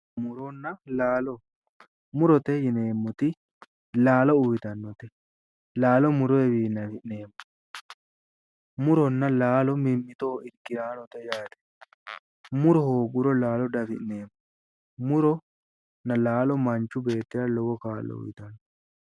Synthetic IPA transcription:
mʊɾɔnːɐlaːlɔ | mʊɾɔt̪ɛjɪneːmːʊt̪ɪ | laːlɔʊjɪt̪ɐnːɔt̪ɛ | laːlɔmʊɾɔɛbiːnːɐfɪʔneːmːʊ̥ | mʊɾɔnːɐlaːlɔmɪmːɪt̪o̞ːɪɾkɪɾaːnɔt̪ɛjaːt̪ɛ̥ | mʊɾɔhoːɡʊɾɔlaːlɔd̪ɐfɪʔne̞ːmːʊ | mʊɾɔ | nɐlaːlɔmɐnt͡ʃːʊbe̞ːt̪ːɪɾɐlɔwɔkaːlːɔ̰ʊ̰jt̪ɐnːɔ

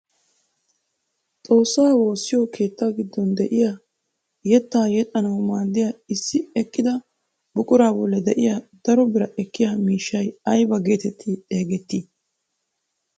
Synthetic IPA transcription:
t̪ʼo̞ːsːaːwo̞ːsːɪjɔkʰe̞ːt̪ːaːɡɪd̪ːɔnd̪ɛʔɪja | jɛt̪ːaːjɛt̪ʼːɐnɐwmaːd̪ːɪjaɪsːɪɛkːɪd̪ɐ | bʊkʼʊɾaːbɔlːɛd̪ɛʔɪjad̪̥ɐɾɔbɪɾɐʔɛkːɪjamiːʃːɐjɐjbɐɡe̞ːt̪ɛt̪ʰːɪeːɡɛt̪ːɪ

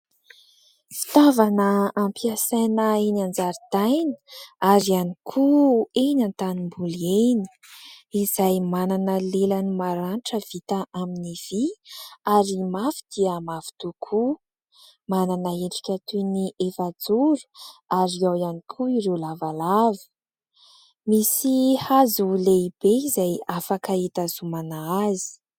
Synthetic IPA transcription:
fi̥t̪avanəːmpiasajnəenand͡zaɾit̪ajnə̥aɾianikʰuenant̪animbulieni̥ | izajmananəlelənimaɾanʈ͡ʂəv̥it̪əʔaminiv̥iaɾimafi̥d̪̥iəmafi̥t̪ukʰu | mananəeʈ͡ʂi̥kʲat̪uniʔefad͡zuɾu̥aɾiawjanikʰuiɾewlavalavi̥ | misihazuleib̥eizajafakaet̪azumanaazi̥

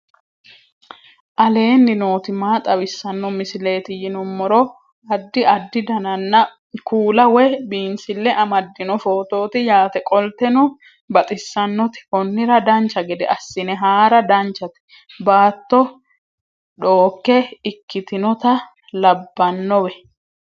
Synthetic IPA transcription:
ʔɐle̞ːnːɪno̞ːt̪ɪmaːt̪ʼɐwɪsːɐnːɔmɪsɪle̞ːt̪ɪjɪnʊmːɔɾɔ | ɐd̪ːɪʔɐd̪ːɪd̪ɐnɐnːɐ | kuːlɐwɛbiːnsɪlːɛʔɐmɐd̪ːɪnɔfo̞ːt̪o̞ːt̪ɪjaːt̪ɛkʼɔlt̪ɛnɔ | bɐt̪ʼɪsːɐnːɔt̪ɪ̥ʔɔnːɪɾɐd̪ɐnt͡ʃːɐɡɛd̪ɛ̰ʔɐsːɪnɛɦaːɾɐd̪ɐnt͡ʃːɐt̪ɪ̥ | baːt̪ːɔ | ᶑo̞ːkːɛɪkːɪt̪ɪnɔt̪ɐ | lɐbːɐnːɔwɛ

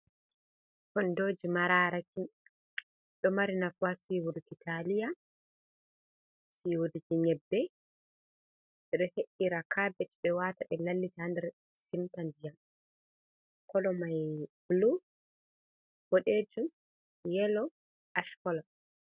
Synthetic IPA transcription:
kɔndoːd͡ʒimaɾaːɾaki | ɗɔmaɾinafuasiwuɾkitʰalija | siwudikiɲɛbːɛ | ɛɗɔheɗːiɾakʰabɛtbɛwataʔɛlalːitaandɛɾ | simtandijam | kɔlɔmajblu | b̥oɗed͡ʒum | jɛlɔ | ʔaʃkɔla

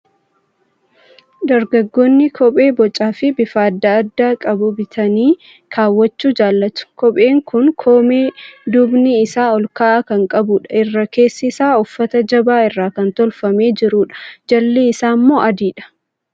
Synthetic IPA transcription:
d̪ɐɾɡɐɡːɔnːɪkʰɔpʼe̞ːbɔt͡ʃʼaːfɪbɪfaːd̪ːaɐd̪ːaːkʼɐbʊbɪt̪ʰɐniː | kʰaːwːɐt͡ʃːuːd͡ʒaːlːɐt̪ʊ̥kɔpʼe̞ːŋkʰʊŋkʰoːmeːd̪ʊbnɪːsaːɔlkaːʔakɐŋkʼɐbʊᶑɐ̥ɪrːɐke̞ːsːɪsaːʊfːɐt̪ɐd͡ʒɐbaːɪrːaːkɐnt̪ɔlfɐme̞ːd͡ʒɪɾuːᶑɐ̥d͡ʒɐlːeːɪsaːmːo̞ːʔɐd̪iːᶑɐ̥

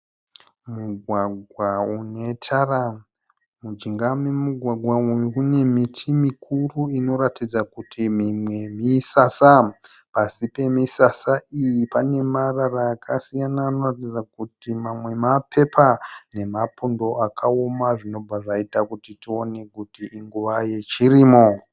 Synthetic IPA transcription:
muɡʱwaɡʱwaune̞tʰara | mud͡ʒiŋɡamemuɡʱwaɡʱwauune̞mitʰimikʰuruino̞ɾatid͡zakutʰimimwe̞misasapasipe̞misasaijipane̞mararaːkʰasijanaːno̞ratid͡zakutimamwe̞mapʰe̞pʰane̞mapundo̞akʰaomaʐino̞b͡vʱaʐaitakutitio̞ne̞kutiʔiŋɡuʋaje̞t͡ʃiriːmo

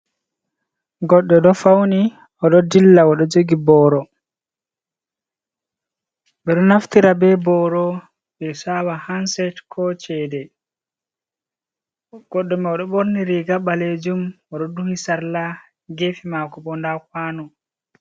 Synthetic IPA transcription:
ɡɔɗːɔɗɔfawni | ɔɗɔdilːaɔɗɔd͡ʒoɡibɔːɾɔ | ɓɛɗɔnaft̪iɾabɛbɔːɾɔ | ɓɛsawahansɛtkʰɔt͡ʃɛdɛ | ɡ̥ɔɗːɔmɛɔɗɔɓoɾniɾiɡaɓːaled͡ʒum | ɔɗɔduhisaɾla | ɡefimakɔɓɔndakwaːnɔ

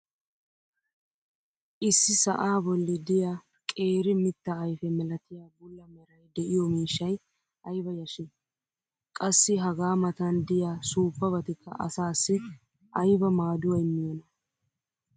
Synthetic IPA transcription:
ʔɪsːɪsɐ̰ʔaːbɔlːɪd̪ɪja | kʼe̞ːɾɪmɪt̪ːɐːjfɛmɛlɐt̪ɪjaːbʊlːɐmɛɾɐjd̪ɛʔɪjɔmiːʃːɐj | ʔɐjbɐjɐʃɪ | kʼɐsːɪɦɐɡaːmɐt̪ɐnd̪ɪjasuːpːɐbɐt̪ɪkʰːɐ̰ʔɐ̰saːsːɪ | ʔɐjbɐmaːd̪ʊwɐjmɪjɔnɐ

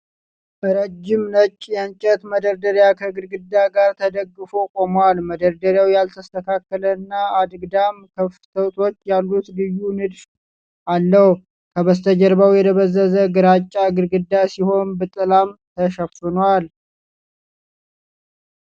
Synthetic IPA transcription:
bəɾəd͡ʒːɪmnət͡ʃʼːjaɲt͡ʃʼːɛt̪məd̪əɾd̪əɾjakʰəɡɨɾɡɨd̪ːaɡaɾt̪ʰəd̪əɡːɨfokʼo̞malməd̪əɾd̪əɾjawjalt̪ʰəst̪ʰəkʰakːələɨnːaad̪ɡd̪amkʰəft̪ʰəwt̪ʰo̞t͡ʃːjalːut̪lɨjːunɨd̪f | ʔalːəh | kʰəβəst̪ʰəd͡ʒəɾbawjɛd̪ʰəβəzːəzəɡɨɾat͡ʃʼːaɡɨɾɡɨd̪ːasiho̞nbɨt̪ʼɨlamt̪ʰəʃəfɨnwal

